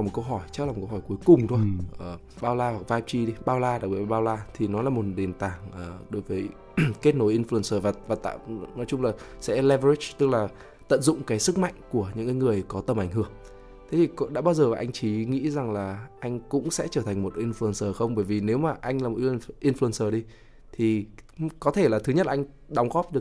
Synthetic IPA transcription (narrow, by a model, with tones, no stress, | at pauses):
mo˨˩kə˧wɦɔ˧˩jt͡ɕa˦˥k̚la˨˩kə˧hɔ˧˩jku˨˦jkʊ˨˩ŋ͡mt̪ʰo˧jʔəː˨˩ | ɓaː˧wlaː˧wa˨˩k̚vaː˧p̚t͡ɕi˧ɗi˧ɓaː˧wlaː˧aː˨˩wɓi˧˩˧ɓaː˧wlaː˧t̪ʰi˨˩nɔ˨˦laː˨˩mo˨˩t̚ɗe˨˩nt̪aː˧˩ŋʔəː˨˩ɗo˨˦jvəː˨˦j | ke˦˥t̚no˨˦jʔi˧nflu˧ə˨nsəː˨˩vaː˨˩vaː˨˩t̪ːnɔ˨˦jt͡ɕʊ˧ŋ͡mlaː˨˩ | sɛ̰˧˥lɛ˧və˧i˦˥t͡ɕt̪ɨ˦˥k̚laː˨˩ | t̪ə̰˧˨nzʊ̰˧˨ŋ͡mkaː˨˦jsɨ˦˥k̚ma̰˧˨jŋ̟ku˧˩əɲɨ̰˧˥ŋkaː˨˦jŋɨ˨˩əjkɔ˨˦t̪ə˧mʔa˧˩jŋ̟ɦɨ˧˩əŋ | t̪ʰe˨˦t̪ʰi˨˩kɗa̰ː˧˥ɓaː˧wzəː˨˩vaː˨˩ʔa˧jŋ̟t͡ɕi˨˦ŋḭ˧˥za˨˩ŋlaː˨˩ʔa˧jŋ̟kʊ̰˧˥ŋ͡msɛ̰˧˥t͡ɕəː˧˩t̪ʰŋ̟mo˨˩t̚ʔi˧nflu˧ə˨nsəː˨˩xə˧wŋ͡mɓəː˧˩jvi˨˩ne˨˦wmaː˨˩ʔa˧jŋ̟laː˨˩mo˨˩˧ʔi˧nflu˧ə˨nsəː˨˩ɗi˧ | t̪ʰi˨˩kɔ˨˦t̪ʰe˧˩laː˨˩t̪ʰɨ˨˦ɲə˦˥t̚laː˨˧ŋ̟ | ɗɔ˨˦wŋ͡mɣɔ˦˥p̚ɗɨ˨˩ək̚